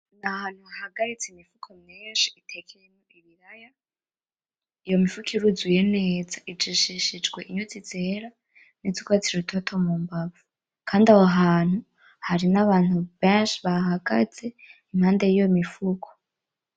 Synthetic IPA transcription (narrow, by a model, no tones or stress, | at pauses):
nahaːn̥huahaɡaɾit͡seimifukʰomjeːnʃi̥itʰekʰejeɲoiβiɾaja | ijo̞mifukʰiɾuzujene̞ːzaʔid͡ʒiʃiʃid͡ʒɡwe̞ʔiɲozize̞ːɾa | nizikwat͡siɾutʰotʰo̞mumbavu | kʰaːndahoɦaːn̥hu | haɾinaβaːn̥huβeːnʃiβaɦaɡa̰z̥e̞imhaːnde̞jijo̞mifukʰo̥